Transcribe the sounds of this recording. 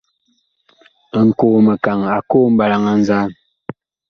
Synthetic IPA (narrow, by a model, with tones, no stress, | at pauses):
ŋ̩˨ko˨mə˨ka˨ŋa˨ko˦m̩˦ba˨la˦ŋa˦n̩˦za˦˨n